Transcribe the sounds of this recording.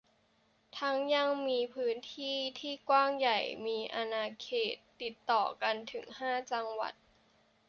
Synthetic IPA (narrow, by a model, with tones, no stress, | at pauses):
t̪ʰa˦˥ŋja˧ŋmiː˧pʰɯː˦˥nt̪ʰiː˥˩t̪ʰiː˥˩kwaː˥˩ŋja˨˩jmiː˧ʔa˧naː˧kʰeː˨˩t̪ːi˨˩t̪ːɔː˨˩ka˧nt̪ʰɯ˩˦ŋhaː˥˩t͡ɕa˧ŋwa̰˨˩t̪̚